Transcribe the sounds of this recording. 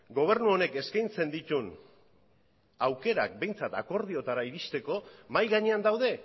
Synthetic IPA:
ɡo̞β̞e̞ɾnuo̞ne̞ke̞skajnt͡se̞nd̪it̪un | awke̞ɾa̰k̚be̞jnt͡sat̪ako̞ɾð̞io̞t̪aɾaiɾist̪e̞ko̞majɣaɲe̞and̪awðe̞

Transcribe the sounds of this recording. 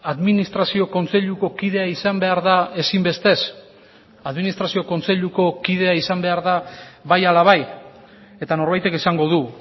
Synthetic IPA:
aðminist̪ɾasio̞ko̞nt͡se̞ʎuko̞kið̞e̞aisambe̞aɾðae̞simbe̞st̪e̞s | aðminist̪ɾasio̞ko̞nt͡se̞ʎuko̞kið̞e̞aisambe̞aɾðaβajalaβ̞aj | e̞t̪ano̞ɾβajt̪e̞kisaŋɡo̞ð̞u

